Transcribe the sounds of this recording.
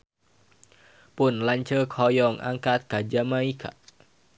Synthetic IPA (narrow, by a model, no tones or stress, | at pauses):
pʊnlaɲt͡ʃəkhɔjɔŋa̰ŋkat̪̚kad͡ʒamaikʰa̰ʔ